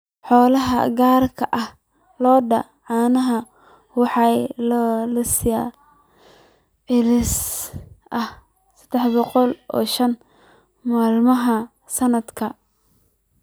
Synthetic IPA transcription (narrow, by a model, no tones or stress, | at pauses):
ħɔːlɐɦɐ̰ɡaːrkʰɐʔɐh | lɔːɖɐ̰ | ʕɑːnɐɦɐ | wɑħɑjlɐlɐsɪja | ɪlɪs | ʔɐh | sɐd̪̥ɛħbɔqɔlʔɔ̰ːʃɐn | maːlmɐɦɐ | sɐnɐd̪kʰɐ